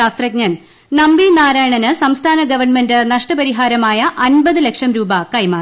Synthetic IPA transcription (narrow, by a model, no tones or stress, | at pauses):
aːst̪rɐk̚ɲɐn | nɐmbinaːɾaːjɳɐnɨsɐmst̪ʰaːnɐɡɐʋɐrɳmendɨnɐʂʈɐpɐɾiɦaːɾɐmaːjɐʔɐnbɐðɨlekʂɐmɾuːbɐkɐjmaː